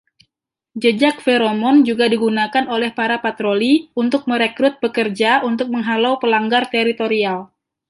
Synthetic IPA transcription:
d͡ʒəd͡ʒak̚feɾomɔnd͡ʒuɡadiɡunakanolɛhpaɾapat̪ɾoliunt̪ʊk̚məɾekɾʊt̪̚bəkərd͡ʒaʔunt̪ʊk̚məŋɦalawpəlaŋɡart̪ɛɾit̪oɾial

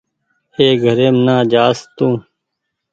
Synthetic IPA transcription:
eːɡʱəɾeːmnãːd͡ʒaːst̪ũː

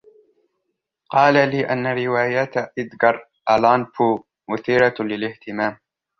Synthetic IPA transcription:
qɑːlaliːʔanːaɾɪwaːjaːt̪ʔɪd̪ɡɑɾˤ | ʔalɑːnfuː | mʊθiːɾɑlɪlɪht̪ɪmaːm

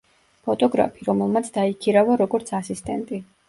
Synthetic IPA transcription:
pʰɔt̪ʼɔɡɾa̰pʰiɾɔmɛlˠmat̪sʰd̪aikʰiɾavaɾɔɡɔɾt̪sʰasist̪ʼɛnt̪ʼi

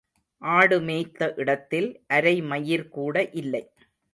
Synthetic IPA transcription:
ʔaːɽɯmeːt̪ːɐʔɪɽɐt̪ːɪlʔɐɾɐɪmɐjɪɾkuːɽɐʔɪlːɐɪ

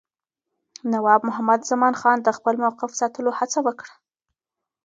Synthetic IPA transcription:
nawɑbmʊɦamad̪zamɑnxɑnd̪əxpəlmawqɪfsɑt̪əlohat͡sawəkɽḁ

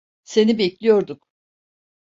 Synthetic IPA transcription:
se̞nibeclʲijo̞ɾd̪um

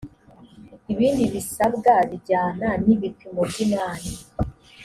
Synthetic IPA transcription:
iβiːndiβisaβɡaβiɟaːnaniβikimobɟinaːni

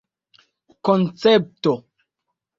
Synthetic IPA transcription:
kont͡sɛp̚to

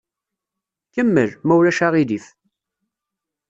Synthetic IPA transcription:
kəmːəlmæwlæʃaʁiðif

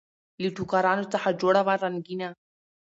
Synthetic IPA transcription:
litukaɾˤanut̪ːaħad͡ʒoɽaβaɾˤanɡina

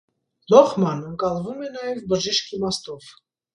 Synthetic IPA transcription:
lɔχmɑnəŋkɑlˠvumɛnɑjɛvbəʒiʃkʰimɑst̪ɔv

